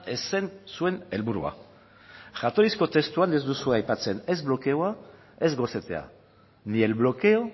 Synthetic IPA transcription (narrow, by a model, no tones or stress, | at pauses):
esensue̞ne̞lβuɾṵa̰ | ʝat̪o̞ɾisko̞t̪e̞st̪uanezd̪usueajpat͡se̞ne̞zblo̞ke̞oa | e̞zɣo̞se̞t̪e̞̰a̰ | nie̞lβlo̞ke̞o̞